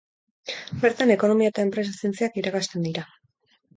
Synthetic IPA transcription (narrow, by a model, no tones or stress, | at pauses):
be̞ɾt̪ane̞ko̞no̞miaet̪ae̞mpɾe̞sasie̞nt͡siakiɾakast̪e̞nd̪iɾa